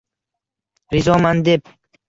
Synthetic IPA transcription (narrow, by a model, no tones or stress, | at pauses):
ɾizɒmand̪ep̚